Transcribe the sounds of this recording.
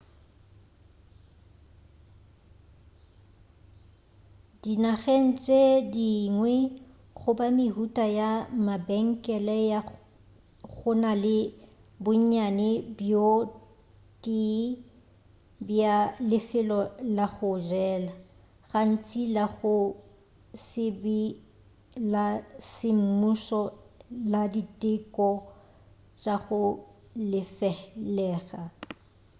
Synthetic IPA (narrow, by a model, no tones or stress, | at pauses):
d̥inaɣen̩t͡sʼediŋwɛ | ɣʊbamɪɦutʼajamabɛŋ̩kʼɛlɛja | ɣʊnalɪ | bʊɲɲanɛbjo | tʼi | bjalɪfɪlɔlaɣʊd͡ʒɛːla | ɣan̩t͡sʼilaɣʊ | sɪbi | lasɪm̩musɔladitʼɪkʼɔ | t͡ʃʼaɣʊ | lɪfɛlɛːɣa